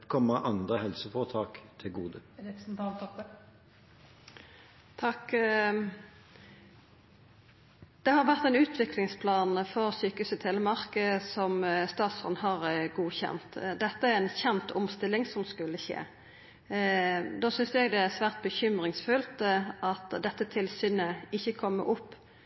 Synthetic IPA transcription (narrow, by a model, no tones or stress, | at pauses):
kʰɔmːəʔɑnd̪ʁəhɛlsəfɔʁt̪ʰɑːkt̪ʰɪlɡuːd̪ən̩t̪ʰɑːlt̪ʰɔpː | t̪ʰɑk | d̪̥ɛhɑʁʋæʁt̪ɛɪnʉːt̪ʰʋɪklɪŋspʰlɑːnfɔʁsyːkʉsət̪ʰelːəmɑʁkəsɔmst̪ɑːt̪sɔ̰nɦɑʁɡuːçɛ̰nt̪d̪ɛt̪ːəæɾɛnçɛnt̪ʰʊmst̪ɪlːɪŋsɔmskʉlːəçḛː | d̪oːsʏnsɛɡd̪ɛæsʋæːʁt̪̚bəçʏmʁɪŋsfʉlt̪ɑt̪d̪ɛt̪ːət̪ʰɪlsyːnəɪçːəkʰɔmːə̰ɾʊpː